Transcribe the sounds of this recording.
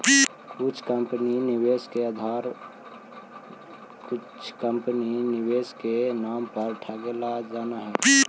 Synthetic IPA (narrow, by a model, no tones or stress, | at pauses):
kʊt͡ʃʰkə̃mpəninɪweːskead̪ʱaːɾ | kʊt͡ʃʰkə̃mpninɪweːskenaːmpɐɾʈʰəɡlad͡ʒaːnaɦɛː